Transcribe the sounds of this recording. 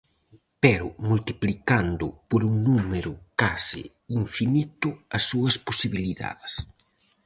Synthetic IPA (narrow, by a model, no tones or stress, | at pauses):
pɛɾʊmult̪iplikand̪ʊpoɾuŋnumeɾʊkasɪ̰ | iɱfinit̪ʊɐsːuɐsposiβiliða̰ðes